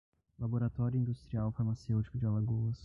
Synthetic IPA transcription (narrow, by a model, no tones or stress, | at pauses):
laboɾat̪ɔɾʲjʊĩnd̪ust̪ɾiawfaɾmasewt͡ʃi̥kʊd͡ʒɪalaɡoɐs